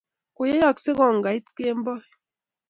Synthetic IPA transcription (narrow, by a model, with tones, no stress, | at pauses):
kʊ˨je˦jɔ˦˨kse˦ɣɔ˨ŋ˨ɡa˨i˦t̪ke˦mbɔ˦